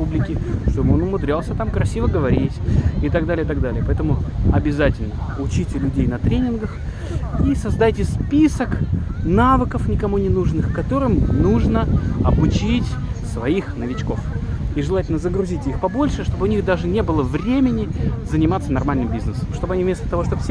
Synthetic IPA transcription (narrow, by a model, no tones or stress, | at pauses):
publʲɪkʲɪʂt̪obɨonʊmʊd̪ɾʲalˠsʲət̪amkɾɐsʲivəɡəvɐɾʲitʲɪt̪aɡd̪alʲɪjət̪aɡ̚d̪alʲɪjəpɐɛt̪əmʊɐbʲɪzatʲɪlʲnəʊt͡ɕitʲɪlʲʉdʲejnɐt̪ɾʲenʲɪnɡəx | isɐzd̪ajtʲɪspʲisəknavɨkəfnʲɪkɐmunʲɪnuʐnɨxkɐt̪o̞ɾɨmnuʐnəɐbʊt͡ɕitʲsvɐixnəvʲɪt͡ɕko̞fiʐɨlˠatʲɪlʲnəzəɡɾʊzʲitʲixpɐbo̞lʲʂɨʂt̪o̞bɨʊnʲixd̪aʐɨnʲe̞bɨlˠəvɾʲemʲɪnʲɪzənʲɪmat̪sənɐrmalʲnɨmbʲiznɨsəmʂt̪o̞bɨɐnʲivmʲest̪ət̪ɐvo̞ʂt̪obsʲ